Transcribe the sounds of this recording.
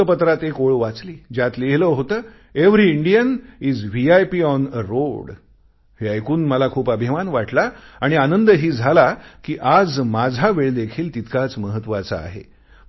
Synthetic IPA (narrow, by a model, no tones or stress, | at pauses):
əpət̪ɾat̪ekoɭʋat͡sliːd͡ʑjat̪leɦləːɦot̪əː | eʋɾiiɳɖijəniːd͡zʋiajpiɔnəɾoɽ | ɦeajkuːnməlakʰuːpəbʱimanʋaʈlaːɽ̃ianənd̪əɦiːd͡zʱalakiːʔad͡zmad͡zʱaʋeɭd̪ekʰiːlt̪it̪kat͡sməɦət̪ːʋat͡sa̰a̰ɦḛ